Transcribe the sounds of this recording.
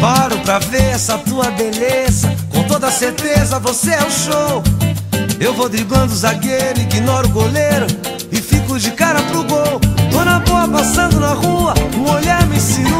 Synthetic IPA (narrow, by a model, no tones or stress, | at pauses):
paɾʊpɾɐveɾɛsɐt̪uɐbeleezɐkõt̪od̪ɐseɾt̪ezɐvoseɛʊʃow | ewvowd̪ɾibɐ̃nd̪ʊzaɡeɾʊɪɡinɔɾʊɡoleɾɐ̃ | ɪfikʊd͡ʒɪkaɾɐpɾʊɡowt̪onɐboɐpasɐ̃nd̪ʊnɐhuɐũoʎaɾmĩsĩnũ